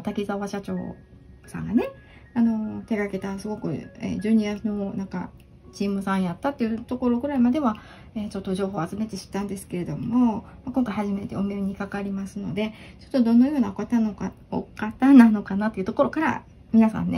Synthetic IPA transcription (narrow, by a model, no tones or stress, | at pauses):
t̪akʲizaβaɕat͡ɕo̰ː | sã̰ŋɡane̞ | ano̞t̪e̞ɡake̞t̪asɨɡo̞kɯ̟̰ḛd͡ʑɨːɲianonãŋka̰ | t͡ɕiːmɯ̟sãɰ̃jat̪ːat̪ːe̞iɯ̟t̪o̞ko̞ɾo̞ɡɯ̟ɾaimad̪e̞βa | et͡ɕo̞t̪ːoʑo̞ːɦo̞ːat͡sɨme̞t̪e̞ɕi̥t̪ːãnd̪e̞sɨ̥ke̞ɾe̞d̪o̞mo̞makõ̞ŋkaihaʑime̞t̪e̞̰ome̞ɯɲ̟ikakaɾʲimasɨno̞d̪e̞t͡ɕo̞̥t̪ːo̞d̪õ̞nːojo̞ːnaokat̪ano | o̰kat̪anano̞kanat̪ːe̞iɯ̟t̪oko̞ɾo̞kaɾa̰ | mʲinasã̰nːḛ